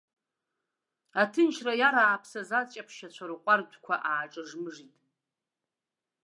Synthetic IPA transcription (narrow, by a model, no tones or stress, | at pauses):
atʰɨnt͡ʃʰrajaɾaːpʰsazat͡ʃʼapʰʃat͡ɕʷʰaɾɨqʷʼardʷkʷʰaʔaːʈ͡ʂʼɨʐmɨʐitʼ